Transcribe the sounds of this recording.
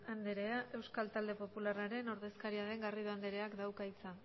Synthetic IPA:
and̪eɾe̞aʔe̞wskalt̪ald̪e̞po̞pularaɾe̞no̞ɾðe̞skaɾiaðe̞ŋɡariðoand̪eɾe̞akd̪awkait͡sa

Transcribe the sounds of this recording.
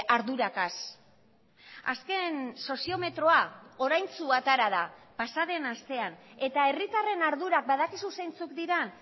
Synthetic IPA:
aɾðuɾakas | a̰ske̞nso̞sio̞me̞t̪ɾo̞ao̞ɾajnt͡suat̪aɾaðapasaðe̞nast̪e̞ane̞t̪ae̞rit̪are̞naɾðuɾak̚baðakisusejnt͡sukd̪iɾan

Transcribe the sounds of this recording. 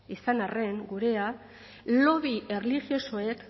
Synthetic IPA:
isanare̞ŋɡuɾe̞a | lo̞βiʔe̞rliɣjo̞soe̞k

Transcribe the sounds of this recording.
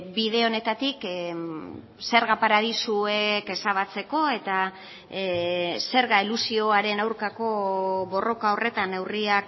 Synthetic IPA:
biðe̞o̞ne̞t̪at̪ik | se̞ɾɣapaɾaðisue̞ke̞saβ̞at͡se̞ko̞e̞t̪a | se̞ɾɣailusio̞aɾe̞nawɾkako̞βo̞ro̞kao̞re̞t̪ane̞wriak

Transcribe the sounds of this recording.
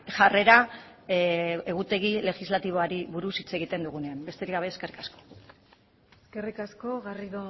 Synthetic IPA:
ʝare̞ɾa | e̞ɣ̞ut̪e̞ɣ̞ile̞xizlat̪iβo̞aɾiβuɾusit͡se̞ɣ̞it̪e̞nd̪uɣune̞ambe̞st̪e̞ɾiɡaβe̞ːske̞rikasko̥ | eske̞rikasko̞ɣariðo

